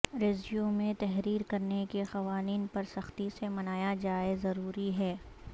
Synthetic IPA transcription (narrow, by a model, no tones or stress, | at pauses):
ɾeːzʋjumẽt̪ɛɦɾiːɾkɐɾnekexɐʋaːniːnpɐɾsɐxt̪isemɐnaːjad͡ʒaːezɐɾuːɾiɦɛː